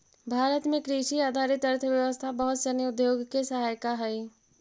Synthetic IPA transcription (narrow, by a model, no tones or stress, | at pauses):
bʱaːɾət̪mẽkɾiʃiaːd̪ʱaːɾɪt̪ɐɾt̪ʰəʋjəʋəst̪ʰabɐɦʊt̪səniʊd̪joːɡkesɐɦaːjkaɦɛi